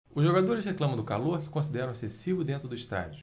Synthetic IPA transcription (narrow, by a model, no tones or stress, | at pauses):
ʊzʒoɡad̪oɾɪsheklɐ̃mɐ̃d̪ʊkaloɾkɪ̥kõsid̪ɛɾɐ̃w̃esesivʊd̪ẽnt̪ɾʊd̪ʊiʃt̪a̰d͡ʒʊ